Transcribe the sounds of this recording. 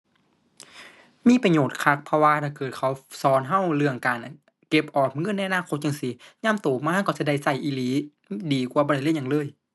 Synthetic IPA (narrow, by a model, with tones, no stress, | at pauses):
miː˧˥˨pa˧ɲoː˨˩t̪̚kʰa˧˥k̚pʰɔ˧waː˧t̪ʰaː˧˩kɤː˨˩t̪̚kʰa˨˦wsɔː˨˦nɦa˧˥˨wlɯ˧˩əŋkaː˨n | ke˧˩p̚ʔɔː˨˩p̚ŋɤ˧˥˨na˧˨ʔa˧naː˧˥˨kʰo˧˦t̪̚t͡ɕa˧ŋsi˧˦ɲaː˧˥˨mt̪oː˨˩maː˧ha˧˥˨kt͡ɕa˧˩da˧˩jsa˧˩jʔiː˧˦liː˨˦ | diː˨˩kwaː˧˩bɔː˧˨da˧˦lːɲa˧ŋlɤː˧˨j